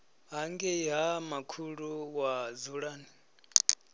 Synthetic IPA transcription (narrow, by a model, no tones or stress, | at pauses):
ɦaŋɡɛjamakʰuɺuwazuɺaːni